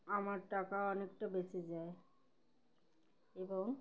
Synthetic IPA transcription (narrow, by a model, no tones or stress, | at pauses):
amaɾʈakaɔnek̚ʈabet͡ɕid͡ʑae | eboŋ